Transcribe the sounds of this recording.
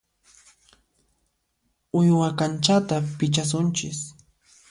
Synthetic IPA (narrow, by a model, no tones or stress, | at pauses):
ʊjwakant͡ʃat̪apɪt͡ʃas̬ʊnt͡ʃɪs